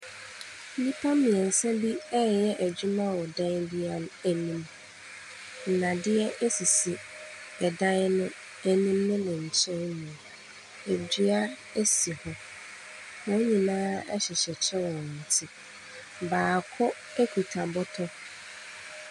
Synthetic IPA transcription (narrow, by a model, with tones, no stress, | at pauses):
n̩˦nĩ˦pʰa˦mĩ˨ɛ˨n̩˨sɛ̃˦bi˦ɛ˦˨jɛ˦ʔæ˨d͡ʑu˦mã˦wɔ˨dã˦ndɪ˦a˨n˦æ˨nĩ˦˨m | n̩˨nã˨dɪ˦ɛ˦ʔe˦si˨si˨ | ɛ˨dã˦n˦nʊ̃˦ | æ˨nĩ˦mnʊ̃˦nɪ̃˨ɲ̩˨t͡ɕʰɛ̃˦nnũ˨ | e˨d͡ʑi˦a˦ | e˦si˨hɔ˦ | wɔ̃˦ɲĩ˨nãː˦ɛ̰˦ɕɛ˨ɕɛ˨t͡ɕʰɛ˦wɔ˨n̩˨tʰɪ˦ | baː˨kʰɔ˦ | e˦kʰu˨tʰã˨bɔ˦tʰɔ˦